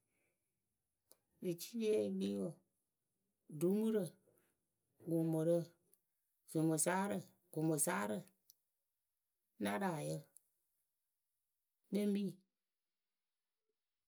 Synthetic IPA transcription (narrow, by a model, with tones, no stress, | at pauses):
dɨ˨t͡ʃi̥˦le˦bi˦wo˨ | du˨˦mu˦ɾə˨ | ɡo˨mo˨ɾə˦ | z̥o˨mo˨saː˦ɾə˨ | ɡ̥o˨mo˨saː˦ɾə˦˨ | nã˦ɾa˨jə˦ | ne˦m˦biː˦˨